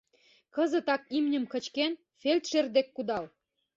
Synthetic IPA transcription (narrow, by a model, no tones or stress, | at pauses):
kɤ̆zə̆t̪ɑkimnʲə̆mkə̆t͡ɕken | felt̪ʃerd̪ekːud̪ɑl